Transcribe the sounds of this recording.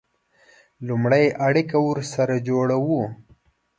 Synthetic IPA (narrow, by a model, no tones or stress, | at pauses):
lumɽajʔaɽikawuɾsaɾad͡ʒoɽawu